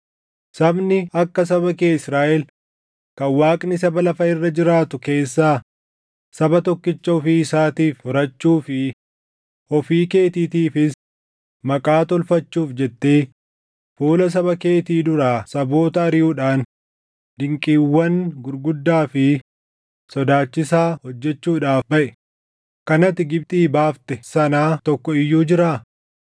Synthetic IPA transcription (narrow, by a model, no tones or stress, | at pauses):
sɐbnɪɐkːɐs̬ɐbɐkeːɪsɾaːʔɛl | kɐwaːkʼnɪsɐbɐlɐfɐɪrːɐd͡ʒɪɾaːt̪ʊke̞ːsːaː | sɐbɐt̪ɔkːɪt͡ʃːɐɔfiːɪsaːt̪iːfhɔɾɐt͡ʃːuːfɪ | ɔfiːke̞ːt̪iːt̪iːfɪs | mɐkʼaːt̪ɔlfɐt͡ʃːuːfd͡ʒɛt̪ːe̞ː | fuːlɐs̬ɐbɐke̞ːt̪iːd̪ʊɾaːsɐboːt̪ɐːɾɪjuːᶑaːn | d̪ɪŋkʼiːwːɐnɡʊɾɡʊd̪ːaːfɪ | sɔd̪aːt͡ʃːɪsaːhɔd͡ʒːɛt͡ʃːuːᶑaːfbɐʔɛ̥ | kɐnɐt̪ːɪɡɪb̚t̪ʼiːbaːft̪ɛsɐnaːt̪ɔkːɔɪjːuːd͡ʒɪɾaː